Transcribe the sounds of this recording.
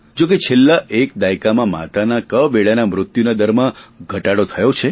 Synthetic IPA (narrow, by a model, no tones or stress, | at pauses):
d͡ʒoket͡ʃʰelːaʔek̚d̪ajkamãma̰t̪anakəʋeɭanamɾʊt̪junad̪əɾmãɡʱəʈaɽot̪ʰəjot͡ʃʰe